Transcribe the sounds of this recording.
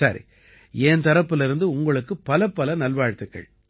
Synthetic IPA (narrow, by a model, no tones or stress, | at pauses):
saɾḭ | eːnt̪ɐɾɐpːɯlɪɾɯnd̪ɯʊŋɡɐɭɯkːɯpɐlɐpːɐlɐnɐlʋaːɻt̪ːɯkːɐ̰ɭ